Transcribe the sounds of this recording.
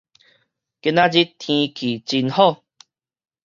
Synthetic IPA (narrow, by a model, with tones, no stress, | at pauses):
ke˧nã˦d͡ʑi˦t̪ʰĩ˧kʰi˨˩t͡ɕi˧nhɔ˥˧˨